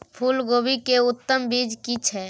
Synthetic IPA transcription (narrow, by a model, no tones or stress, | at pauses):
pʰulɡoːbikeʊt̪ːəmbid͡ʒkit͡ʃʰɛ